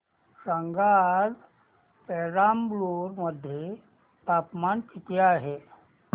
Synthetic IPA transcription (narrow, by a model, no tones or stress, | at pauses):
səŋɡaɾ | pɛɾambloɾməd̪ʱːje | t̪apmankit̪eaɦe